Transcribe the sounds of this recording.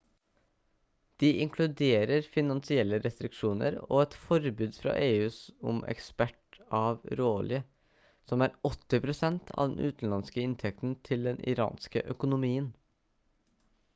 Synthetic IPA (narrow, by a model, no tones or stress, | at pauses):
d̪̥iːʔɪŋkʰlʉd̪eːɾəɾfɪnɑnsɪɛlːəɾɛst̪ɾɪkʂuːnə̰ɾo̰ːɛt̪fɔɾbʉːd̪fɾɑ̰ːʔeːʉːsʊmʔɛ̰kspæʈɑːʋɾoːlɪə | sɔmæːɾɔt̪ːɪpʰɾʊsɛnt̪ʰɑ̰ːʋd̪ɛnʔʉ̰ːt̪n̩lɑnskəɪnt̪ʰɛk̚t̪n̩t̪ʰɪld̪ɛnʔɪ̰ɾɑ̰ːnskə̰ʔœkʊnʊmiːən